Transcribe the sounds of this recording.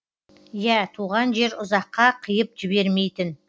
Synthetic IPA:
jæt̪ʰuʁɑnʒe̞ɾʊzɑqːɑqʰəjəpʒɪbe̞ɾme̞jt̪ɪn

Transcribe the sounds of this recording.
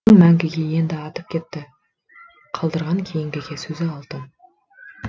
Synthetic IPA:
ɴmæŋɡʲɪɡʲe̞je̞nd̪ɪɑt̪əp̚kʲʰe̞t̪ːɪ | qʰɑlˠd̪əɾʁɑŋkʲʰe̞jɪŋɡʲɪɡʲe̞sɵzɪɑlˠt̪ən

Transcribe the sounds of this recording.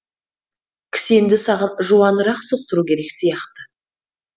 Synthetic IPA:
kʲʰɪ̥send̪ɪsɑʁɑnʒuɑnəɾɑqsuq̚t̪əɾukʲʰe̞ɾe̞ksijɑqt̪ə

